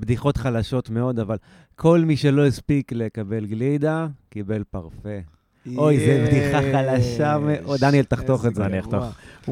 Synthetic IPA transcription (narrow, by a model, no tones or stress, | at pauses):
bd̪iχo̞tχalaʃo̞tmeo̞d̪aval | kʰo̞lmiʃe̞lo̞jispiklekabe̞lɡlid̪akibe̞lpaʁfe̞ | ojzebd̪iχaχalaʃameʔod̪anielt̪aχt̪o̞χezeaniaχt̪oχ